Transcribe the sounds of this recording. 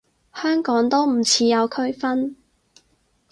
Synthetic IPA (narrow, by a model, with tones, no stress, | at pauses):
hœː˥ŋkɔː˨˥ŋt̪o˥wm̩˨˩t͡sʰiː˨˧jɐ˨˧wkʰɵ˥ɥfɐ˥n